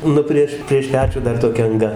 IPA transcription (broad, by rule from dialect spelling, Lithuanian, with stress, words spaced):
ˈnʊ pʲrʲiɛʃ pʲrʲiɛʃ ˈpʲæːt͡ʃʲuː ˈdɐr toːˈkʲɛ ɐŋˈɡɐ